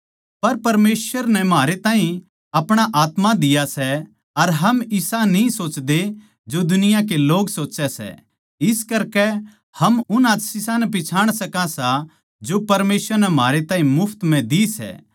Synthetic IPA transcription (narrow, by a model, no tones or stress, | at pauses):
pɐɾpɐɾmeːsʋəɾnɛmɦaːɾet̪ãːɦĩ | ɐpɽ̃aʔaːt̪mad̪ɪjasɛ | ɐɾɦɐmɪsanĩsoːt͡ʃd̪e | d͡ʒod̪ʊnɪjak̬eloːɡsoːt͡ʃɛsɛ̰ | ɪskɐɾkɛ | hɐmʊnaːt̪sɪsãnɛp̬ɪt͡ʃʰaːɽ̃sɐkasa | d͡ʒopɐɾmeːswəɾnɛmɦaːɾet̪ãːɦĩmʊpʰt̪mɛ̃d̪isɛ̰ː